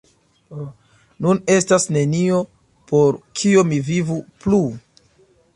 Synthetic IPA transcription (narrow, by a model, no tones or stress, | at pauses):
nune̞stasne̞nio̞ | po̞ɾkʰio̞mivivuplu